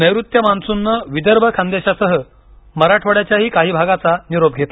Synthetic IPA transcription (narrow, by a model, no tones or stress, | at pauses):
nəjɾut̪jəmansunːəʋid̪əɾbʱəkʰand̪eɕasəɦə | məɾaʈʰʋəɽjat͡ɕjaɦiːkaɦiːbʱaɡat͡saniɾob̚ɡʱet̪a